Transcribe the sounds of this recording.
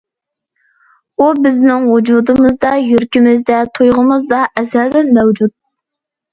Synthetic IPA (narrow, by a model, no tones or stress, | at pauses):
ubɪznɪŋhod͡ʒud̪ɨmɨzd̪ɑjøɾkʲimɪzd̪ɛt̪ʰujʁəmɨzd̪ɑʔɛzæld̪ɪnmɛwd͡ʒut̪̚